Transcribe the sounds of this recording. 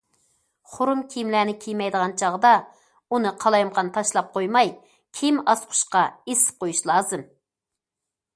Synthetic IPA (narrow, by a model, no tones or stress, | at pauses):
χʊɾumkʲʰijmlæːnɪkʲʰijmɛjd̪əʁɑnt͡ʃʰɑʁd̪ɑ | unɨqʰɑlˠɑjmqɑnt̪ʰɑʃlˠɑp̚qʰojmɑj | kʲʰimɑsqʰʊ̥ʃqɑesɪ̥p̚qʰojuʃlˠɑːzɨm